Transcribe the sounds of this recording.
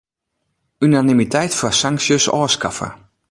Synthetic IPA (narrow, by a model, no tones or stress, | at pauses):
ynanimitʰɛjtfasaŋksjəsɔ̰ːskafə̰